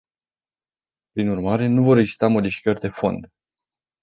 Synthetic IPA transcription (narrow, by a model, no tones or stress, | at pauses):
pɾinurmaɾe̞nuvo̞ɾe̞ɡzi̥st̪amo̞d̪ifi̥kərʲd̪e̞fo̞̰nd̪